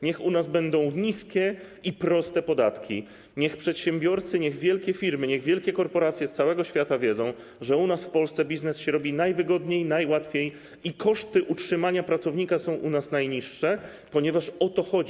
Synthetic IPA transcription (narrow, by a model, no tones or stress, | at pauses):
ɲɛxunazbɛnd̪ɔ̃w̃ɲiskʲɛ | ipɾɔst̪ɛpɔd̪a̰t̪kʲḭ | ɲɛxpʂɛt̪ɕɛ̃mbʲjɔɾt̪sɘɲɛɣvʲjɛlkʲɛfʲiɾmɘɲɛɣvʲjɛlkʲɛkɔɾpɔɾat̪sʲjɛst̪sawɛɡɔɕfʲjat̪avʲjɛd̪zɔ̃w̃ | ʐɛunasfpɔlst̪sɛbʲiznɛsɕɛɾɔbʲinajvɘɡɔd̪ɲejnajwat̪fʲjej | ikɔʂt̪ɘʔutʂɘmaɲapɾat̪sɔvɲikasɔ̃w̃ʔunasnajɲiʂːɛ | pɔɲɛvaʂɔt̪ɔxɔd͡ʑi